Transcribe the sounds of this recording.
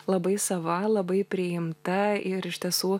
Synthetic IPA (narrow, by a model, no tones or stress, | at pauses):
lˠɐbɐɪsɐʋɐlˠɐbɐɪpʲɾʲɪɪmt̪ɐɪɾɪʃʲt̪ʲiɛsuː